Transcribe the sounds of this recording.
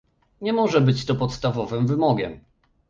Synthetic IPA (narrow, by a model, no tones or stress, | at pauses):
ɲɛmɔʐɛbɘt͡ɕt̪ɔpɔt̪st̪avɔvɘmvɘmɔɡʲɛ̰m